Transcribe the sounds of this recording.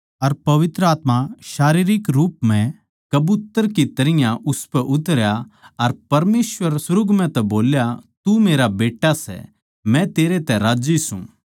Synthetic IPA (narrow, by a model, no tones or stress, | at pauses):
ɐɾpɐʋɪt̪ɾəaːt̪maʃaːɾiːɾɪkɾuːpmɛ̃ | kɐbut̪əɾkit̪ɐɾɪjãʔʊspɛʔʊt̪ɾjaɐɾpɐɾmeːsʋəɾsʊɾʊɡmɛ̃t̪ɛboːljat̪umeːɾabeːʈːasɛ̰ | mɛ̃t̪eːɾet̪ɛɾaːd͡ʒisṵ̃